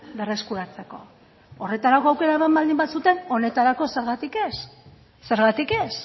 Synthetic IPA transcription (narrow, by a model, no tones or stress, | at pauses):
be̞re̞skuɾat͡se̞ko̞̰ | ore̞t̪aɾako̞awke̞ɾaemambald̪imbasut̪e̞no̞ne̞t̪aɾako̞se̞ɾɣat̪ike̞s | se̞ɾɣat̪ike̞s